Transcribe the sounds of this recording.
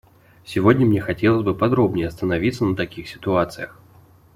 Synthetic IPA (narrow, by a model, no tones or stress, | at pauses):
sʲɪvo̞dʲnʲəmnʲexɐtʲelˠəzʲbɨpɐd̪ɾo̞bnʲɪjəɐst̪ənɐvʲit̪sənət̪ɐkʲixsʲɪ̥t̪ʊat̪sɨjəx